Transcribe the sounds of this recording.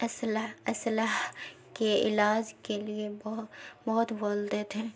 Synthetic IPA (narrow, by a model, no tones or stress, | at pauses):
ɐslaɐslaɦ | keɪ̰laːd͡ʒkeliebbɔɦʊt̪ʋold̪et̪ʰɦɛ̃ː